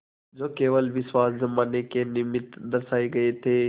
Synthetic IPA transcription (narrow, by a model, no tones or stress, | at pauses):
d͡ʒoːkeːʋəlʋɪswaːszɐmaːnekenɪmɪt̪d̪ɐɾsaːiɡɐet̪ʰeː